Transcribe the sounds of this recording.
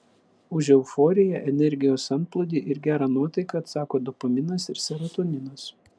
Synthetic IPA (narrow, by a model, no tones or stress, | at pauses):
ʊʒʲɛʊfɔːɾʲɪjɛʔɛnʲɛɾʲɡʲɪjoːsɐnt̪̚plˠʊd̪ʲiːʔɪɾɡʲæːɾɑːnuɔt̪ɐɪkɐt̪sɑːkoːd̪ɔpɐmʲɪnɐsɪɾsʲɛɾɐt̪oːnʲɪnɐs